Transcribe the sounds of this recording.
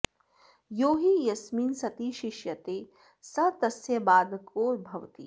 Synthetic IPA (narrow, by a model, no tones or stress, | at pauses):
joːɦijɐsmiːnsɐt̪iːʃɪʃjɐt̪eː | sɐt̪ɐsjɐbaːd̪koːɾbʱɐʋt̪ḭː